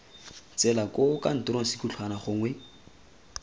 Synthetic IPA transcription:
t͡sɛlakokan̩tʊɾoŋ̩sikut͡ɬʰwanaχʊŋwɛ

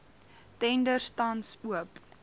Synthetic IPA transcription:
tɛndərstɐnsuəp

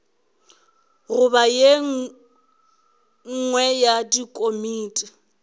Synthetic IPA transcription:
rʊbaje | ŋ̩ŋwɛjadikʼomiːtʼi

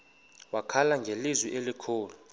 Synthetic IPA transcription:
wakʰalaŋɡʱelizwiʔelikʰoːlu

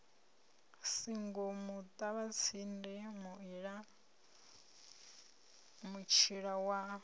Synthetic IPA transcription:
siŋɡomut̪ʼaβat͡sʰindɛmuiɺa | mut͡ʃʰiɺawa

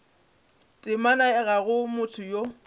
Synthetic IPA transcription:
tʼɪmanaɪɣaɣʊmʊtʰʊjo

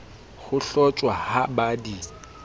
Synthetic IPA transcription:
ɣʊɬɔt͡ʃʼwahabadi

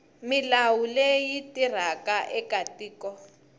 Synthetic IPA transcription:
milawulejitir̤akaʔɛkatiːkɔ

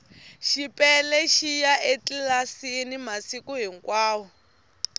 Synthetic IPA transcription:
ʃipʼɛlɛʃijaʔet͡ɬilasinimasikuɦiŋkwaːwɔ

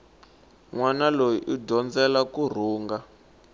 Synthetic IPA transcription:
ŋwanalojiʔudɔnd͡zɛlakur̤uːŋɡa

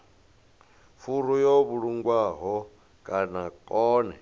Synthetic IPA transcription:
fuɾujoβuɺuŋɡwaɦɔ | kʼanakʼɔːnɛ

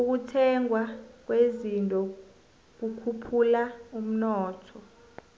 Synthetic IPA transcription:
uk̬utʰɛŋwak̬wezintʼɔ | k̬ukʰupʰulaum̩nɔːtʰɔ

